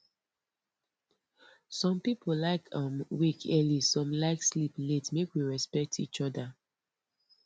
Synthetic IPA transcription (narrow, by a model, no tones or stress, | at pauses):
sɔ̃mpipʰolaɪkʰãmwikʰɛlisɔ̃mlaɪkslipletmekwiɹɛspɛk̚tʰit͡ʃɔda